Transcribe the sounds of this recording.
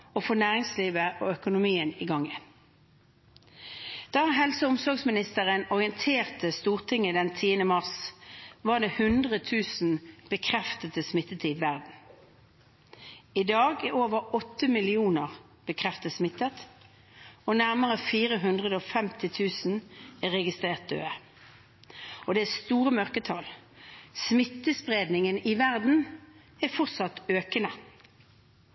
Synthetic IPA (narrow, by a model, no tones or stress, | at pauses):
ofoːnæːʁɪŋsliːʋəʔoːœkʊnʊmiːəniɡɑŋən | d̪̥ɑːɑɦɛlsəʊmsɔʁɡsmɪnɪst̪əʁənɔʁɪənt̪ʰeːʁt̪əst̪uːʁt̪ʰɪŋːəd̪ɛnt̪ʰiːənəmɑʁsʋɑːʁd̪eːhʉnd̪ʁət̪ʰʉːsn̩b̥əkʰʁɛft̪ət̪əsmɪt̪ːət̪ʰiʋʋæʁd̪n̩ | ɪd̪ɑːɡæoːʋəʁɔt̪ːəmɪlɪuːnəʁ | b̥əkʰʁɛft̪əsmɪt̪ːət̪ | ɔnæʁməʁəfiːʁəɦʉnd̪ʁəd̪əofɛmt̪ɪt̪ʰʉːsn̩æʁɛɡɪst̪ʁeːʁt̪̚d̪ø̰ːə | ɔd̪ɛæːst̪uːʁəmœʁkət̪ʰɑl | smɪt̪ːəspʁeːd̪nɪŋənɪʋæʁd̪n̩ | æfɔʁt̪sɑt̪øːkənə